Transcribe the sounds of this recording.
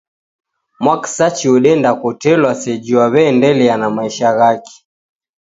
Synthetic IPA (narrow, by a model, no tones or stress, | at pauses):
mwaksat͡ʃiuɗɛndakutɛlwasɛd͡ʒiwaβɛːndɛlianamaiʃaɣaki̥